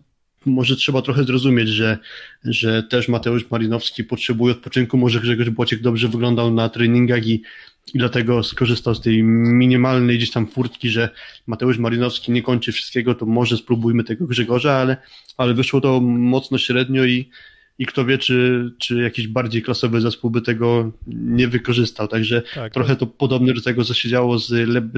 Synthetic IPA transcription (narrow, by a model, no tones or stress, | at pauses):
mɔʐɛtʂɛbat̪ɾɔxɛzɾɔzumʲjed͡ʑʐɛʐɛt̪ɛʂmat̪ɛuʂmaɾinɔfskʲipɔtʂɛbujɛɔt̪̚pɔt͡ʂɘŋkumɔʐɛɡʐɛɡɔʐbwɔt͡ɕɛɡ̚d̪ɔbʐɛvɘɡlɔnd̪awnat̪ɾɛɲiŋɡaxi | id̪lat̪ɛɡɔskɔʐɘst̪awst̪ɛjmʲiɲʲimalnɛjɡd͡ʑeɕt̪amfuɾt̪kʲiʐɛmat̪ɛuʂmaɾinɔfskʲiɲɛkɔɲʲt͡ʂɘfʂɘ̥st̪̚kʲɛɡɔt̪ɔmɔʐɛspɾubujmɘt̪ɛɡɔɡʐɛɡɔʐaalɛalɛvɘʂwɔt̪ɔmɔt̪snɔɕɾɛd̪ɲɔi | ikt̪ɔvʲjɛt͡ʂɘt͡ʂɘjakʲiʑbaɾd͡ʑejklasɔvɘzɛspuwbɘt̪ɛɡɔɲɛvɘkɔʐɘst̪awt̪aɡʐɛt̪ɾɔxɛt̪ɔpɔd̪ɔbnɛd̪ɔt̪ɛɡɔt̪sɔɕed͡ʑawɔzlɛb